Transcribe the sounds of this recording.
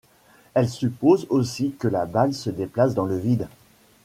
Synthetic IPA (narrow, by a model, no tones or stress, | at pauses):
ɛlsypozosikəlabalsəd̪eplasd̪ɑ̃ləvid̪